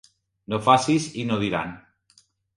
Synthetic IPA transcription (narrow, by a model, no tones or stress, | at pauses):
nofasisinoðiɾa̰n